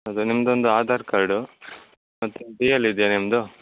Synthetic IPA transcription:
ɐd̪unimɐd̪ond̪uaːd̪ʱaːɾkɐɾɖu | mɐt̪ːuɖijɐlid̪janimɐd̪u

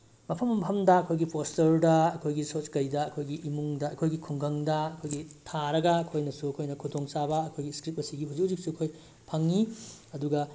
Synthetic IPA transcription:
mɐpʰɐmːɐmpʰɐmdɐɐkʰojɡipʰostoɾdɐɐkʰojɡisot͡ʃkɐjdɐɐkʰojɡiʔimuŋdɐɐkʰojɡikʰuŋɡɐŋdɐɐkʰojɡitʰaɾɐɡɐːkʰojnɐsuɐkʰojnɐkʰudoŋsabɐːkʰojɡiskɾip̚ɐsiɡihuzik̚uzik̚suɐkʰoj | pʰɐŋːiɐduɡɐ

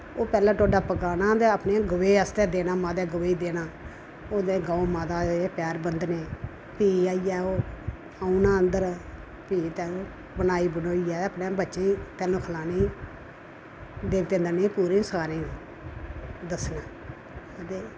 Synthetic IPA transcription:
oːpɛːlãːʈoːɖaːpəkaːnaːt̪eəpneːɡəʋeːəst̪ɛːd̪eːnaːmaːd̪ɛːɡəʋeiːd̪eːnaː | oːd̪eːɡaːomaːd̪aːeːpɛːɾbənd̪neː | piːaːiɛːoː | aːũnãːənd̪əɾ | piːt̪ɛːlõː | bənaːiːbənoːiːɛːəpnẽːbətːʃet̪ɛːlõːkʰəlaːniː | d̪eːʋt̪ẽːnd̪əneːpuːɾĩːsəkaːɾĩː | d̪əsnaː | t̪eː

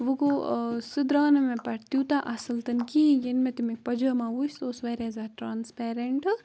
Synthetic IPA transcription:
ʋɨkosɨd̪ɾaːnɐmẽpɐɽt̪juːt̪aʔɐsɐlt̪ɐnkiːjenmet̪umik̚pɐd͡ʒəːmãːʋust̪oːsʋeːɾʲaːzaːʈɾaːnspeːɾeɳʈ

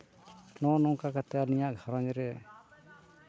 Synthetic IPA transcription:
nɔnɔŋkakat̪ɛanijaʔɡʱaɾaɲɾɛ

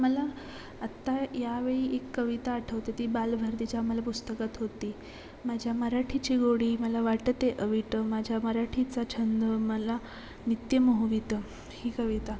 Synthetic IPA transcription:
məlaː | t̪ːajaʋeɭiːʔekːəʋit̪aːʈʰəʋt̪et̪iːbalbʱəɾd̪it͡ɕaməlapust̪əkat̪ɦot̪iː | mad͡ʑʱjaməɾaʈʰit͡ɕiːɡoɽiːməlaʋaʈət̪eʔəʋiʈəmad͡ʑʱjaməɾaʈʰit͡sat͡ɕʰənd̪əməla | nit̪jəməɦuʋit̪ə | hiːkəʋit̪a

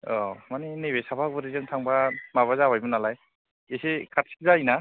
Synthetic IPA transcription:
ɔmaninebesapʰak̚bɯɾizɯŋtʰaŋbamaβazabajbɯnalaj | esekʰatsi̥k̚zajna

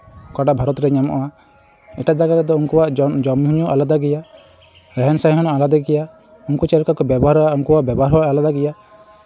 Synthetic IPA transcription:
kaɖaʔbʱaɾɔt̪ɾɛɲamɔ̰ʔa | ɛʈaʔd͡ʒ̪aɡaɾɛd̪ɔunkɔwaʔd͡ʒɔmɦuɲuʔalad̪aɡɛja | ɾɛɦɛnsaɦɔnɔʔalad̪aɡɛja | unkut͡ʃɛɾkakɔbjɛbɔɦaɾaʔunkɔwaʔbjɛbɔɦaɾɦɔwaʔalad̪aɡɛja

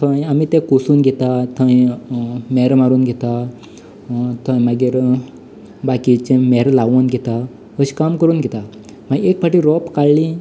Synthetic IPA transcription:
t̪ʰə̃jamit̪ɛ̃kusuːnɡʱɛt̪at̪ʰə̃j | mɛɾmaɾuːnɡʱɛt̪a | t̪ʰə̃jmaɡiɾ | bakit͡ɕẽmɛɾlaʋənɡʱɛt̪a | ɦəɕkamkəɾuːnɡʱɛt̪a | maɡekpaʈiɾɔpkaɭli

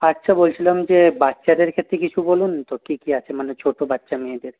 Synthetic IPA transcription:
atːʃʰabolt͡ɕʰilamd͡ʑebatːʃad̪eɾkʰet̪ːɾekit͡ɕʰubolunt̪okikiat͡ɕʰemanet͡ɕʰoʈobatːʃameed̪eɾ

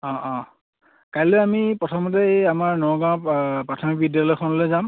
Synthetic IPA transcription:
ɔ̃ʔɔ̃ | kajlojamipɹɔtʰɔmɔtɛeamaɹnɔɡãpɹatʰɔmikbidjalɔjkʰɔnɔloejzam

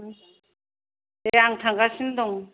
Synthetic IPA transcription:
eaŋt̪ʰaŋɡasind̪ɔŋ

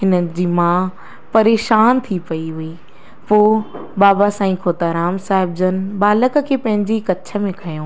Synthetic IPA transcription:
ɦɪnəd͡ʑiːmãː | pɐɾeːʃaːnt̪ʰipɐiɦʊi | poːbaːbasãːĩkʰoːt̪aːɾaːmsaːɦɪb̚d͡ʑənbaːlək̆kʰeːpɐ̃ɦɪ̃ɲd͡ʑikɐtːt͡ɕʰə̆mẽkʰɐjõː

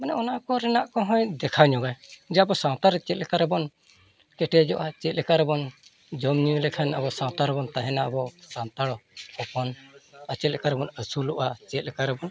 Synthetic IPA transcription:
manɛɔnakɔɾɛnaʔkɔɦɔ̃jd̪ɛkʰawɲɔɡajd͡ʒabɔsãw̃t̪aɾɛt͡ʃɛt̪lɛkaɾɛbɔn | kɛʈɛd͡ʒɔ̰ʔat͡ʃɛt̪̚lɛkaɾɛbɔn | d͡ʒəmɲilɛkʰanabɔsãw̃t̪aɾɛbɔnt̪aɦɛnaəbɔsant̪aɽɔɔpɔnat͡ʃɛt̪̚lɛkaɾɛbɔnəsuluʔat͡ʃɛt̪̚lɛkaɾɛbɔn

